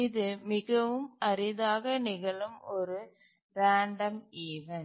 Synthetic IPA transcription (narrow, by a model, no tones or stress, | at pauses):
ɪðɯmɪɣɐʋɯmɐɾɪðaːɣɐnɪɣɐɭɯmɔɾɯ | ɾaːɳɖɐmiːʋɐn